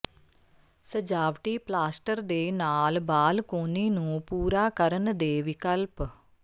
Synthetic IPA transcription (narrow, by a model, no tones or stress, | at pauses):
səd͡ʒaːʋʈiːplaːsʈəɾd̪eːnaːlbaːlkoːniːnũːpuːɾaːkəɾənd̪eːʋɪkəlp